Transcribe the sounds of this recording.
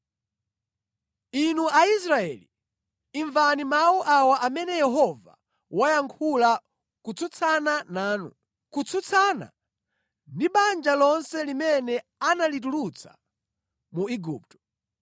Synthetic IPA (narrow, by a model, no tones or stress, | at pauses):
inuʔais̬ɾaɛ̰li | iɱvanimawuʔawaʔamɛnɛjɛɦɔva̰ | wajaŋkʰula | kut͡sʰut͡sʰananaːnṵ | kut͡sʰut͡sʰana̰ | ndiɓand͡ʒalɔnsɛlimɛnɛ | analit̬ulut͡sʰḁ̰ | muiɡṵːp̚tɔ̥